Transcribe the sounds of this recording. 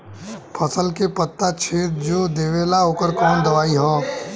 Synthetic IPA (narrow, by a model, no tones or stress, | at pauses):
pʰəsəlkepət̪ːat͡ʃʰeːt̪d͡ʒoːd̪eːʋeːlaɦoːkəɾkɔːnd̪ɐʋaːiɦɔ̃ː